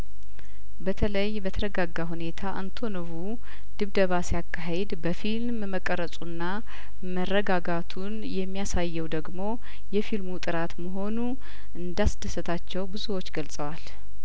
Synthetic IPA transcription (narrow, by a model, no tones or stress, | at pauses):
bət̪ʰələjbət̪ʰəɾəɡaɡːaɦune̞t̪ʰaʔant̪ʰo̞noβu | d̪̥ɨβd̪əβasijakʰːaɦe̞d̪bəfilmmməkʼːəɾəsʼunːa | mərːəɡaɡat̪ʰunjɛmːijasajːɛwd̪əɡmo̞ | jɛfilmut̪ʼɨɾat̪məɦo̞nu | ʔɨnd̪asd̪əsət̪ʰat͡ʃːɛwbɨzuwo̞t͡ʃːɡəlsʼəwal